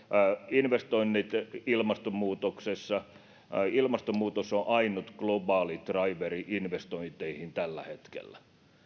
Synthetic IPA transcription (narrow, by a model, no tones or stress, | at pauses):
inʋest̪oinːit̪ilmɑst̪omuːt̪oksesːɑ | ilmɑst̪omuːt̪osoʔɑinut̪klobɑːlit̪rɑiʋeriʔinʋest̪oint̪eihint̪ælːæ̰het̪kḛlːæ